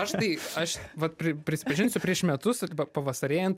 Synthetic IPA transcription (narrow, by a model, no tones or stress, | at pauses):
ɐʃt̪ɐɪɐʃʋɐt̪̚pʲɾʲɪpʲɾʲɪsʲɪ̥pɐʒʲɪnsʲʊpʲɾʲiɛʃmʲɛt̪ʊsɐpɐʋɐsɐɾʲeːjɛnt̪